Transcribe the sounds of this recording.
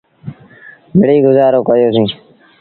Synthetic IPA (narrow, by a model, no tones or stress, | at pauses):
mɪɽiːɡʊzaːɾoːkəjoːsĩː